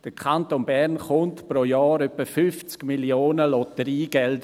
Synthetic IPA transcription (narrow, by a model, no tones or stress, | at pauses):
d̥əkʰantonbɛʁnχʊntpɾojɑːɾœpəfʏft͡skmiljoːnəlɔtəɾiːɡ̥ɛld